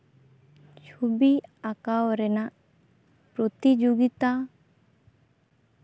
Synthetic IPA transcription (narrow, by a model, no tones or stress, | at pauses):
t͡ʃʰubiakawɾɛnaʔ | pɾɔt̪id͡ʒoɡit̪a